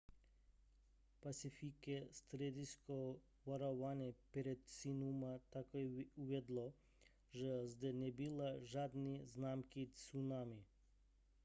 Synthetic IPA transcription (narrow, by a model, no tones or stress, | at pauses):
pasifikɛst̪ɾed̪isko | vaɾɔʋanʲɛpɾɛt̪sinumat̪akoɛuʋɛd̪lˠɔ | ʒazd̪ɛnɛbilˠaʒad̪niznamkisunami